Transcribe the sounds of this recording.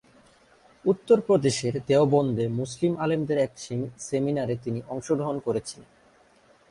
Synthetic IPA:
ut̪ːoɾpɾod̪eʃeɾd̪eobɔnd̪emuslimalemd̪eɾɛkseminaɾet̪iniʔɔŋʃoɡɾoɦonkoɾet͡ɕʰilen

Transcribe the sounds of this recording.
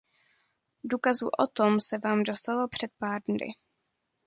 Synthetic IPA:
duːkazṵʔot̪o̞msɛvaːmdo̞st̪alo̞pr̝̥ɛt̪̚paːɾdnɪ̰

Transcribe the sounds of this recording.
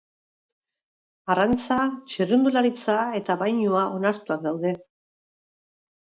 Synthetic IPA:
arant͡sat͡ʃirund̪ulaɾit͡sae̞t̪aβajɲuaʔo̞naɾt̪uakd̪awðe̞

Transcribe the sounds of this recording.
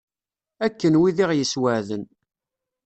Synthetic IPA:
ækːənwiðiʁjəswəʕðən

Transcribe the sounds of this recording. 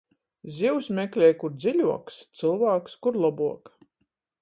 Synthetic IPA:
zʲiwsmʲɛklʲɛjkuɾd̪zʲiʎʲuɔkst̪sɨlˠvaːkskuɾlˠɔbuɔk

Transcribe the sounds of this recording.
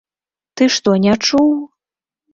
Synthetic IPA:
t̪ɨʃt̪onʲaʈ͡ʂu

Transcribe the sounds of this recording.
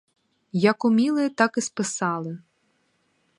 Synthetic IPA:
jɐkʊmʲilˠɪt̪ɑkɪspɪsɑlˠɪ

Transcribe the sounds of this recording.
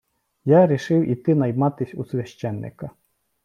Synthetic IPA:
jaɾʲiʃɪwʔit̪ɪnɐjmat̪ɪsʲusʲʋʲjɐʃt͡ʃːɛnːɪ̰kɐ

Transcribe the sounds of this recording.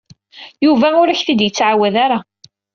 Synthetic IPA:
juvæʊɾæçθid̪jət͡sːʕawæðaɾa

